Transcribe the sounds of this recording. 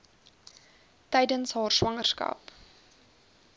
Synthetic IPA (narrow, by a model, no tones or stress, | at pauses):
tɛjdənsɦɑːrswɐŋərskɐ̰p